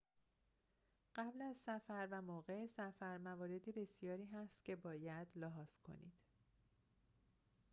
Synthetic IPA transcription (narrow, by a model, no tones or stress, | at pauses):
ɢ̥æblæzsæfæɾvæmoːɣesæfæɾmævɒːɾe̞d̪ibe̞sjɒːɾiːɦæst̪cʰe̞bɒːjæd̪lɒɦɒːz̥kʰo̞̰nḭːd̪̥